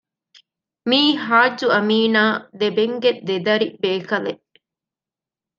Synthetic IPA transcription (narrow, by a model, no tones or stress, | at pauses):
miːɦaːd͡ʒːuɐmiːnaːd̪ebeŋɡed̪ed̪ɐɾibeːkɐle